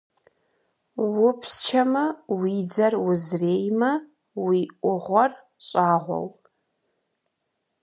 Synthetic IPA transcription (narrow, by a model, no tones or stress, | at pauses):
wʊpʰst͡ʃʰɐmɐwid͡zɐrwʊzreːjmɐ | wiʔʷʊʁʷɔr | ɕʼaːʁʷɔ̰w